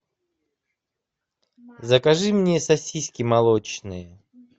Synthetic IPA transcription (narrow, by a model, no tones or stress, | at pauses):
zəkɐʐɨmnʲesɐsʲisʲkʲɪmɐlˠot͡ɕnɨjə